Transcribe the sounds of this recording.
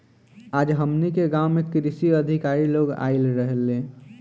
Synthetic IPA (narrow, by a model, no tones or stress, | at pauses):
aːd͡ʒɦəmnikeɡãʊmekɾisiəd̪ʱikaɾiloɡa̰ɪlɾəɦelẽ